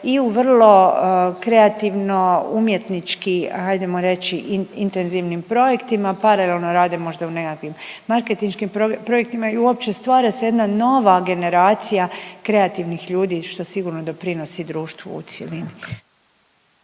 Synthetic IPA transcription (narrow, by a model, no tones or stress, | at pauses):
iuʋrlˠo̞kɾe̞at̪iʋno̞umje̞t̪nit͡ʃkihajd̪emoɾe̞t͡ʃiʔint̪e̞nziʋnimpɾo̞je̞kt̪imapaɾalelˠno̞ɾaːd̪e̞mo̞ʒd̪aune̞kakʋimːaɾke̞t̪inʃkimpopɾo̞jek̚t̪imaiuopt͡ʃe̞st̪ʋaːɾaseje̞d̪nano̞ʋaɡe̞ne̞ɾaːt̪sijakɾe̞at̪iʋnixʎuːd̪iːʃt̪o̞siɡuɾno̞d̪o̞pɾino̞sid̪ɾuːʃt̪ʋo̰ṵt̪sjelini